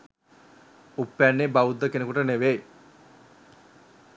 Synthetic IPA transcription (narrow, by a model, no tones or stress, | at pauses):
upːænːebaud̪ːəkenekuʈəneʋej